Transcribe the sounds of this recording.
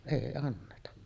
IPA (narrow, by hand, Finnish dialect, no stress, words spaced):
eˑi ɑnːetɑ